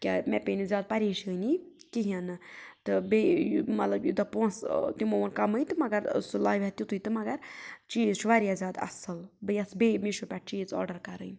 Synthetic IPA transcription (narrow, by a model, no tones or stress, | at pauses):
kʲamɛpʲenizʲjaːd̪̚pɐɾiːʃənikiɦianɨt̪ɨbemɐt̪lɐbjud̪ɐponst̪imoʋɐnkɐmɨjt̪ɨmɐɡɐɾ̰sɨlaːʋɛt̪it̪ujt̪ɨmɐɡɐɾt͡ʃiːzt͡ʃʰuʋaɾʲjazʲaːd̪ɐ̰sɨlbɨjɐsbeːmiʃupʲaʈ̚t͡ʃiːzɔ̰ːɾɖɐɾkɐɾɨjn